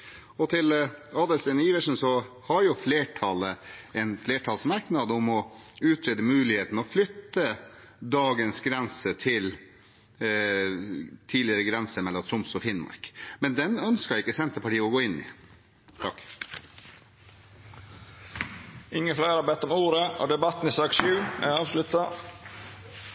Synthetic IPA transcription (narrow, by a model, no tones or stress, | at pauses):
ɔt̪ʰɪlɑːd̪əlsɛnəiːʋəʂn̩sɔ | hɑɾjʊfleːʈʰɑləɛnfleːʈʰɑːlsmɑɾknɑd̪əʊmɔʉːt̪ʰɾeːd̪əmʉːlɪheːt̪ən̩ɔflʏt̪ːə | d̪ɑːɡənsɡɾɛnsət̪ʰɪl | t̪ʰiːlɪəɾəɡɾɛnsəɾmɛlːɔmt̪ʰɾʊmsɔfɪnmɑ̰ɾkmɛnd̪ɛnœnskɑɾɪkːəsɛnt̪əpɑʈiːəɔɡoːɪnːɪ̰ | t̪ʰɑkː | ɪŋːəflæɪɾɑbɛt̪ːɔmuːɾəɔ̰d̪ɛbɑt̪ːn̩ɪsɑːɡʃʉːæɑːʋslʉt̪ɑ